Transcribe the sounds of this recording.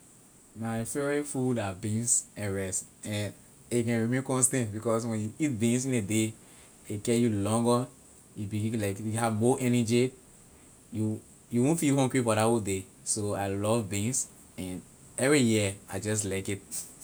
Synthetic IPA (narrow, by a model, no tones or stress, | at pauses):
maɪfɛifudabĩnsɛ̃nɹɛstɛ̃n | ikɛ̃nɹimẽnkɔ̃nstɛ̃ntbikɔs̬wɛ̃njuit̚bĩnsĩnede | ekɛjulɔ̃ŋɡə | jubiilaɪkjuhavmɔʔɛnɛd͡ʒi | ju | juwõnfilhɔ̃ŋɡɹifɔdaode | soaɪlɔvbĩns | ɛ̃n | ɛvɹijiad͡ʒɔs̬laɪkit̚